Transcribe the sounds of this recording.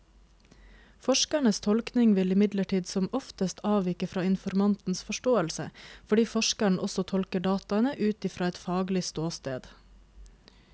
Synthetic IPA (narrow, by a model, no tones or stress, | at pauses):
fɔʃkæɳəst̪ʰɔlknɪŋʋɪlɪmɪd̪ləʈʰiːd̪sɔmɔft̪əst̪ʰɑːʋɪkəfɾɑːɪnfɔɾmɑnt̪n̩sfɔʃʈoːəlsəfɔɖiːfɔʃkæɳʔɔsɔt̪ʰɔlkəɖɑːt̪ɑɛnəʔʉːt̪ɪfɾɑːɛt̪fɑːɡlɪst̪oːst̪ḛːd̪